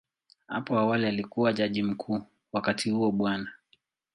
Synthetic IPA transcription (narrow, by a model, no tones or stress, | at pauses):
ha̰pɔawalialikuwaʄaʄim̩kʰuː | wakatʰihuɔɓwana